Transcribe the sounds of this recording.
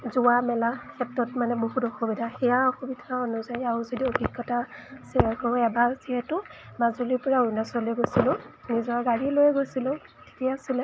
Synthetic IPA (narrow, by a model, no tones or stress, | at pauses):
zuwamɛlakʰɛp̚tɹɔtmanɛboɦutɔxobidʱaxɛjaɔxobidʰʱaɔnʊzajauzodiobʱiɡɔtasɛakɔɛbaziɦɛtʊmazoliɹpɔɹaojnasɔlojɡojsilʊ̃nizɔɹaɡaɹilojɡojsilʊ̃ | tʰi̥kiasilɛ